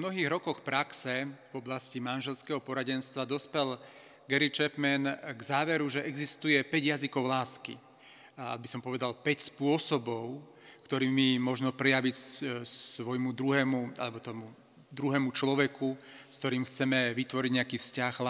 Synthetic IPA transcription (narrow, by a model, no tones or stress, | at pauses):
mnɔɦiːɣɾɔkɔxpɾaksɛvɔblascimanʒɛlskɛːɦɔpɔɾaɟɛnst̪ʋad̪ɔspɛl | ɡɛɾit͡ʃɛpmɛnɡzaːʋɛɾuʒɛʔɛɡzist̪ujɛpɛɟɪjazikɔʊlaːskḭ | a̰bisɔmpɔʋɛd̪alpɛcspʊɔsɔbɔʊ | kt̪ɔɾiːmimɔʒnɔpɾɛjaʋicsʋɔjmud̪ɾuɦɛːmua̰lɛbɔt̪ɔmu | d̪ɾuɦɛːmut͡ʃlɔʋɛkuskt̪ɔɾiːmxt͡sɛmɛʋit̪ʋɔɾiɟɲɛakiːfscaɣla